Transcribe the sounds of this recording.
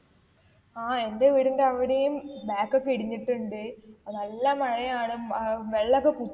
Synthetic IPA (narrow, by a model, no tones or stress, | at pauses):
aːendeʋiɽundɐʋiɽejɯmbaːkːɐkːiɽɪɲːiʈːuɳɖɯɐðɐlːamɐɻɐjaːɳɯʋɛɭːɐkːɐku